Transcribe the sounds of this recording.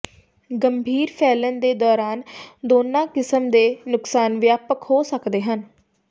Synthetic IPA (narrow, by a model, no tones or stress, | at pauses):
ɡəmbʱiːɾpʰɛːlənd̪eːd̪ɔːɾaːnd̪oːnãːkɪsəmd̪eːnʊksaːnʋjaːpəkhoːsəkd̪eːɦən